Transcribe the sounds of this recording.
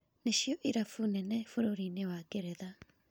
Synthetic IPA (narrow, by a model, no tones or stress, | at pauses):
neʃiɔʔiɾafunɛnɛfoɾoɾinewakeɾɛða